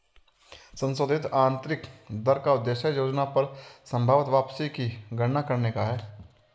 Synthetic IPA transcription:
sə̃nsoːd̪ʱɪt̪aːnt̪ɾɪkd̪əɾkaʊd̪ːeːʃəjoːd͡ʒnapɐɾsə̃mbʱaːʋət̪ʋaːpsikiɡʱəɽnakɐɾnekaɦɛː

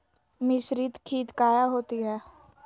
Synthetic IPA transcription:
mɪsɾɪt̪kʰiːt̪kaːjaɦoːt̪iɦɛː

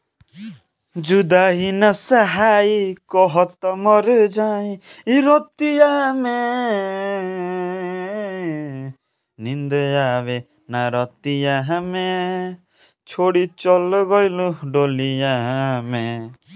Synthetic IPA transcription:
d͡ʒud̪aɦinɐsɐɦaːikɔɦɔt̪ɔmɔɾd͡ʒaːĩiɾot̪ijame | nĩnd̪jaːʋe | naɾɔt̪ijaɦame | t͡ʃʰoːɽit͡ʃɔlɡɔiluɖoːlijaɦme

